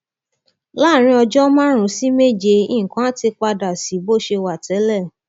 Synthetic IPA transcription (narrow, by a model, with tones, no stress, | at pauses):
la˦˨ɾ̃ĩ˧ɔ˧d͡ʒɔ˦mã˦ɾ̃ũ˨˦si˦me˦˨d͡ʒe˧ĩ˦˨ŋ̩˨kã˦a˦ti˧k͡pa˧da˨si˨˦bo˦˨ʃe˧wa˨tʰɛ˨˦lɛ˦˨